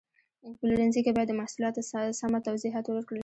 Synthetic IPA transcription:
əŋpəluɾanzikebɑjad̪ːəmahsulɑt̪osamat̪awziɦɑt̪wwəɾkɽəl

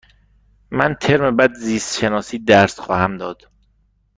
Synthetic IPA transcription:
mænt̪ʰeɾmebæd̪ziːst̪ʃenɒːsiːd̪æɾsxɒːhæmd̪ɒːd̪̥

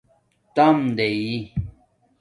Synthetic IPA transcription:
t̪amd̪eji

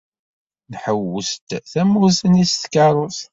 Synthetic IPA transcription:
nħəwəst̪θæmːusənisθkːɑɾˤʊθ

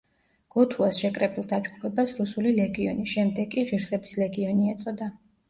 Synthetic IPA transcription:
ɡ̥ɔt̪ʰuasʃɛkʼɾɛbilˠd̪ad͡ʒɡ̥upʰɛbasɾusulilɛɡiɔ̰nisʃɛmd̪ɛɡkʼiʁiɾsɛbislɛɡiɔniɛt̪sʼɔd̪a

